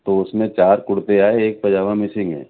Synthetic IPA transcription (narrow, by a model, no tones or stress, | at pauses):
t̪oʊsmẽt͡ʃaːɾkʊɽt̪eaːeːk̚pɐd͡ʒaːʋãmɪsɪ̃ŋɡɦɛ̰̃ː